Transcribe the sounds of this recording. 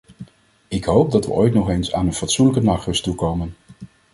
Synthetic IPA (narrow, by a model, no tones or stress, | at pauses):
ɪkɦowp̚dɑtʋə̰ʔojtnɔχejnsa̰ːnənfɑtsunləkənɑːχrɵstukowmən